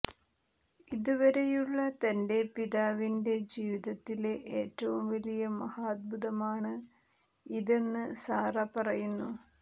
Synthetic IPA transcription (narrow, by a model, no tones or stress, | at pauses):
iðuʋɐɾe̞juɭːɐt̪ɐnde̞piðaːʋinde̞d͡ʑiːʋiðɐt̪ːileʔeːtːɐʋumʋɐlijɐmɐhaːd̪̚bʱuðɐmaːɳɨ | iðe̞nːɨsaːrɐpɐrɐjunːu